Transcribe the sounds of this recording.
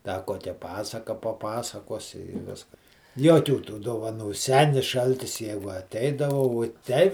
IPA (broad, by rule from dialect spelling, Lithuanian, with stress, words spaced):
dɐ ˈkoːkʲɛ ˈpɑːsɐkɐ pɐˈpɑːsɐkoːsʲɪ ɪ ˈʋʲɪskɐs ˈjuɔkʲuː tuː doːʋɐˈnuː ˈsʲæːnʲɪs ˈʃɐlʲtʲɪs ˈjæːɡʊ ɐˈtʲɛɪdɐʋɐ ʋuɔ ˈtʲɛɪ